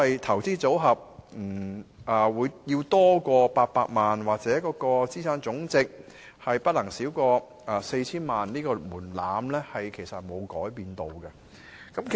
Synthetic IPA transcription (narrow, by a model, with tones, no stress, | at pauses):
ɐ˨jt̪ʰɐ˨˩wt͡siː˥t͡so˨˥wɦɐ˨p̚m̩˨˩ɐː˨˩wuː˨˧jjiː˧wt̪ɔː˥kɔː˧paː˧k̚paː˧k̚maː˨nwaː˨k̚t͡sɛː˨˥kɔː˧kɔː˧t͡siː˥sʰaː˥nt͡sʊ˨˥ŋt͡sɪ˨k̚ | hɐ˨jpɐ˥t̚lɐ˨˩ŋsiː˨˥wkɔː˧ | ɐ˨˧se˧jt͡sʰiː˥nmaː˨nniː˥kɔː˧muː˨˩nlaː˨˥mlɛː˥hɐ˨jkʰe˨˩jsɐ˨t̚mo˨˧wkɔː˨˥jpiː˧nt̪o˨˧wɡɐ˧ | kɐ˨˥mkʰ